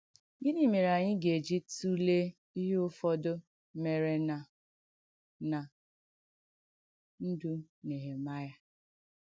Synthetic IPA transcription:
ɡɪ˦ni˦me˨ɾa˨ɲɪ˦ɡe˨d͡ʒi˦tu˦le˦ | i˦ɦe˦ʊ˦fɔ˦do˦ | me˨ɾe˦na˨ | na˨ | n̩˦du˦ne˨ɦe˨ma˦ja˦

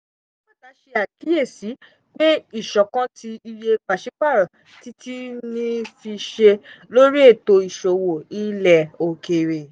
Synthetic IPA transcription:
k͡pa˨ta˨˧˦ʃe˧a˨ki˨˦e˦˨si˨˦ | k͡pe˦i˦˨ʃɔ˨kã˦ti˧i˧je˧k͡pa˨ʃi˨˦k͡pa˦˨ɾa˨ | ti˦tʰi˦nĩ˦fi˧ʃe˧lo˦ɾi˦e˦˨to˧i˨ʃo˨wo˨i˨lɛ˨o˨ke˨ɾe˨

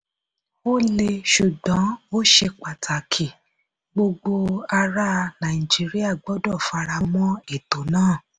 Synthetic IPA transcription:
o˦le˧ʃu˨ɡã˨˦o˦ʃe˧k͡pa˨tʰa˨kʰi˨ | ɡ͡bo˧ɡ͡bo˧a˧ɾa˦˧nã˨i˨d͡ʒi˦ɾi˦a˦˨ɡ͡bɔ˨˦dɔ˦˨fa˧ɾa˧mɔ̃˦e˦˨to˨˦nãː˦˨

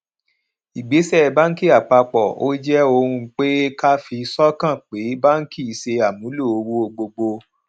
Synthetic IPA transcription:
i˨ɡ͡be˨˦sɛ˦˧˨ba˦n̩˦ki˦a˨k͡pa˧k͡pɔ˨o˦d͡ʒɛ˦o˧ɾũ˧˦k͡pe˦ka˦fi˧sɔ˦kã˦˨k͡pe˨˦ba˦ŋ̩˦ki˦˨se˧a˨mũ˨˦lu˦˨o˧wu˦o˧ɡ͡bo˧ɡ͡bo˧

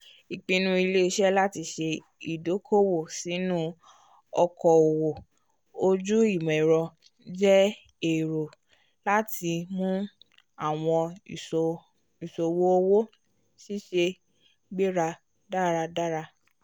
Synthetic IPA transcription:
i˨k͡pĩ˧nũ˧i˧le˦i˧ʃɛ˦la˦ti˧ʃe˧ | i˨do˨˦kʰo˦wo˦˨si˨˦nũ˦ | ɔ˧kɔ˨o˨wo˨ | o˧d͡ʒu˦i˦˨mɛ̃˨ɾɔ˧ | d͡ʒɛ˦ | e˨ɾo˨ | la˦ti˧mũ˦ | a˦˨w̃ɔ̃˧˨ | i˨so˨wo˦o˧wo˦ | ʃi˦ʃe˧ | ɡ͡be˦ɾa˧ | da˦ɾa˧da˦ɾa˧

